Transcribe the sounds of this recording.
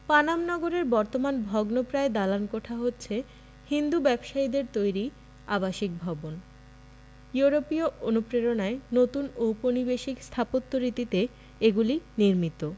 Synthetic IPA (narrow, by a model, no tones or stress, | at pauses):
panamnɔɡoɾeɾbɔɾt̪omanbʱɔɡnopɾaed̪alankɔʈʰaɦotːɕʰe | hind̪ubɛbʃaid̪eɾt̪ojɾi | abaʃik̚bʱɔbon | juɾopioʔonupɾeɾonaenot̪unouponibeʃikst̪ʰapot̪ːoɾit̪it̪e | eɡuliniɾmit̪o